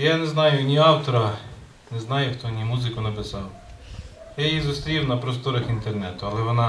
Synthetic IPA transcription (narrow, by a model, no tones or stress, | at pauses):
janɛznɑjʊnʲiɑwt̪ɔɾɐ | nɛznɑjʊxt̪ɔnʲimuzɪkʊnɐpɪsɑw | jajizʊst̪ɾʲiwnɐpɾɔst̪ɔɾɐxint̪ernɛt̪ʊɐlˠɛʋɔnɑ